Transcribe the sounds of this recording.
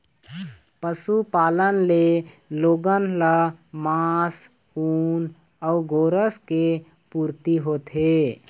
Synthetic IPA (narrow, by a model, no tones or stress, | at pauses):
pəsupaːlənle | loːɡənlamaːs | uːn | ɔʊɡoːɾəske | puːɾt̪iɦoːt̪ɦe